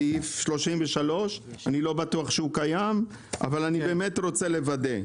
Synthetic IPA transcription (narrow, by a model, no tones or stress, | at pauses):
ifʃlo̞ʃimveʃalo̞ʃanilo̞batuaχʃeukajam | a̰valanibeːmetɾo̞t͡sele̞vade